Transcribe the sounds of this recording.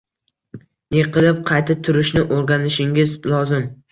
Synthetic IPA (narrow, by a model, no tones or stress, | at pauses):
jeqʰɨlɪp̚qʰɑjt̪ʰat̪ʰʊɾɪʃnɪʔoɾɡʲanɪʃɪŋɪzlˠɒzɪm